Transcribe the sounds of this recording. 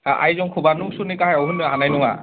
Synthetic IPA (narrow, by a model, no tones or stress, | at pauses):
ʔa̰jzɔŋkʰubanusunikaɦɛɔɦunanajnɔwa̰